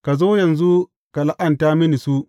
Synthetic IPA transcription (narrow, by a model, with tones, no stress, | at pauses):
ka˨zoː˦jɐ˨nzu˦ | ka˨la˦ʔɐ˨ntaː˦mɪ˦ni˨su˦